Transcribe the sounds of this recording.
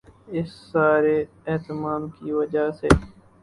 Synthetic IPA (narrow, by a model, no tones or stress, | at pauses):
ɪsːaːɾeː | eɦt̪ɪmaːmkiːʋəd͡ʒaːsḛː